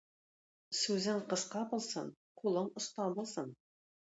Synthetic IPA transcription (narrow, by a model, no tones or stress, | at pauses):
sʉzɪŋqɤ̆zqɑbolˠsɤɴqʰulˠɤɴʊ̆st̪ɑbŏlˠsɤn